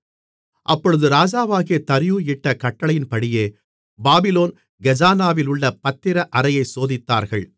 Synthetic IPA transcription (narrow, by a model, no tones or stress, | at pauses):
ʔɐpːɔɻɯðɯɾaːd͡ʒaːʋaːɣɪjɐt̪ɐɾɪjuɪʈːɐkɐʈːɐɭɐjɪnpɐɽɪjeː | baːbɪloːn | ɡɛd͡ʒaːnaːʋɪlʊɭːɐpɐt̪ːɪɾɐʔɐɾɐjɐɪsoːðɪt̪ːa̰ːɾɣɐɭ